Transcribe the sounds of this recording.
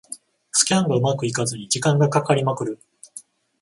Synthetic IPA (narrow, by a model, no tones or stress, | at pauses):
sɨ̥kʲiãŋɡaɯ̟makɯ̟ikazɨɲ̟id͡ʑikãŋɡakakaɾʲimakɯ̟ɾɯ̟